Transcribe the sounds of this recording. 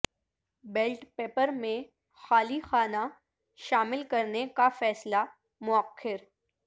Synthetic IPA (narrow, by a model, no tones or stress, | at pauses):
beːlʈpeːpəɾmẽ | xaːlixaːna | ʃaːmɪlkɐɾnekafɛːsla | mʊəqʰːɪɾ